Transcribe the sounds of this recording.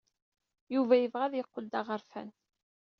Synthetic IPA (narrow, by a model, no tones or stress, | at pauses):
juvæjəvʁæðjəqːəd̪ɑʁəɾfæ̰n